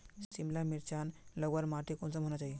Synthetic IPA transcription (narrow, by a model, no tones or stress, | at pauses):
simlamiɾt͡ɕanləɡʋaɾmaʈikont͡səmɦoñat͡ɕai